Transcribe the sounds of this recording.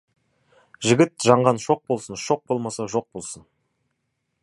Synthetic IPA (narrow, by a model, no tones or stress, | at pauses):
ʒɪɡʲɪt̪ʒɑɴʁɑnʃo̞q̚bo̞lˠsənʃo̞q̚bo̞lˠmɑsɑʒo̞q̚bo̞lˠsən